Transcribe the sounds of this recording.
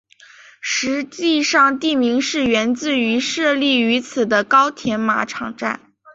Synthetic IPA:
ʂɻ̩˧˥t͡ɕi˥˧ʂɑ˥˧ŋt̪i˥˩mi˧˥ŋʂɻ̩˥˩ɥɛ˧˥nt͡sɹ̩˥˩y˧˥ʂɤ˥˧li˥˩y˧˥t͡sʰɹ̩˨˩d̪ə˦kɑ˥ʊt̪ʰjɛ˧˥nma̰˧˥ʈ͡ʂʰɑ̰˨˩ŋʈ͡ʂa̰˥˩n

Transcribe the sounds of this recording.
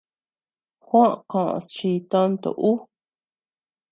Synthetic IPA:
xʷõ˦ʔkõ˨ʔõ̰˧˨st͡ʃi˧t̪õ˦nt̪o̰˨ʔu˦

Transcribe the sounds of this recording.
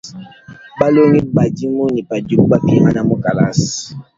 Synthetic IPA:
ba˦lo˦ŋi˦ba˨di˦mo˦ni˨pa˨du˨kba˦pi˦ma˦na˨mo˦ka˨la̰˦si̥˨

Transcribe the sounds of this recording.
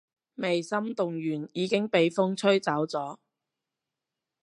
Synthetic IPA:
me˨jsɐ˥mt̪ʊ˨ŋjyː˨˩njiː˨˧kɪ˥ŋpe˨jfʊ˥ŋt͡sʰɵ˥ɥt͡sɐ˨˥wt͡sɔː˨˥

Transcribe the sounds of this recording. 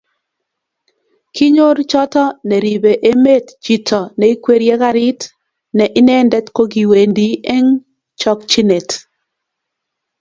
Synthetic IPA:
kʰi˦ɲo˦ɾt͡ʃɔ˦tɔ˦nɛ˨ɾi˨be˨ʔe˦me˦td͡ʒi˨tʰɔ˨nɛ˨i˦kwe˦ɾjɛ˦ka˦ɾi˦t | nɛ˨ʔɪ˦nɛ˦ndɛ˦tko˦ɡi˨we˨ndi˦ʔe˦ŋ | t͡ʃɔ˦kt͡ʃi˦ne˨t

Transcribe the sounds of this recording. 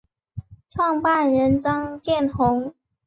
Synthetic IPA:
ʈ͡ʂʰwɑ˥˧ŋpa˥˩nɻə˧˥nʈ͡ʂɑ˥ŋt͡ɕjɛ˥˩nxʊ˧˥ŋ

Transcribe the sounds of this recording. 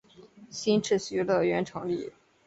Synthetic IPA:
ɕi˥nʈ͡ʂʰɻ̩˥˩ɕy˥lə˥˧ɥɛ˧˥nʈ͡ʂʰɤ˧˥ŋli˥˩

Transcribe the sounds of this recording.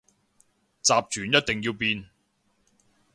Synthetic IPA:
t͡saː˨p̚t͡ʃyː˨˩˦njɐ˥t̚t̪e˨ŋjiː˧wpiː˧n

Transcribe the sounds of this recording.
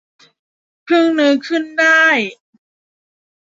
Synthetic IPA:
kʰɯ˥˩ŋnɯː˧˥kʰɯ˥˩ndaː˥˩j

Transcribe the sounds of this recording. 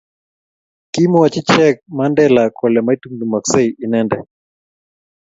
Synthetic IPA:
ki˦mɔ˦a˨t͡ʃi˦t͡ʃɛk̚mandɛla˨kɔ˨lɛ˨mai˦tu˦ŋdu˨ma˨ksɛ˦iʔi˨nɛndɛ

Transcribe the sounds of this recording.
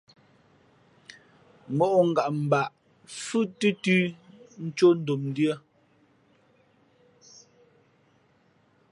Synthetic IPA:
mɔ˦ʔɔ˨ŋ̩˨ɡa˨ʔm̩˨ba˨ʔ | fʉ˦tɨ˦tʉ˦n̩˦t͡ʃo˦n̩˦do˨mn˦djə˦

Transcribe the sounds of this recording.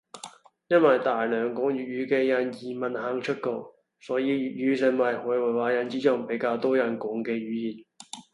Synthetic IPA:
jɐ˥nwɐ˨jt̪aː˨jlœː˨˧ŋkʊ˨˥ŋjyː˨˩t̚ɥyː˨˧kɛː˧jɐ˨˧njiː˨mɐ˨nhaː˨˧ŋt͡ʃʰɵ˥t̚kɔː˧˩ | sɔː˨˥jiː˧jyː˨t̚jyː˨˧˥sɪ˨˩ŋwɐ˨jhɔː˨˥jwɐ˨˩jwaː˨˥jɐ˧˩nt͡siː˨˥t͡ʃɔ˨˩ŋpe˨˥jkaː˧wt̪ɔː˥jɐ˨˩nkʊ˨˧˥ŋkɛː˧ɥyː˨˥jiː˨n

